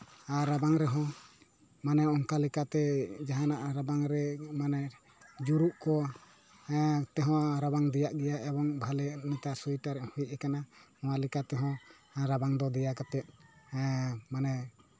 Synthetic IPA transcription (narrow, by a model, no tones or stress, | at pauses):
aɾabaŋɾɛɦɔ̃ | manɛɔŋkalɛkat̪ɛd͡ʒaɦanaʔɾabaŋɾɛmanɛ | d͡ʒuɾuʔkɔ | t̪ɛɦɔ̃ɾabaŋd̪ɛjaʔɡɛjaʔɛbɔŋbʱalɛmit̪asujʈaɾɛʔhujc̚ɛkana | ɔ̃walɛkat̪ɛɦɔ̃ | ɾabaŋd̪ɔd̪ɛjakat̪ɛt̪̚ | manɛ